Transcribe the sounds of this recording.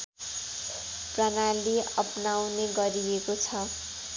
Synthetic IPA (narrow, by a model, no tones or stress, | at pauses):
prʌnaliʌpnawneɡʌɾiekot͡sʰʌ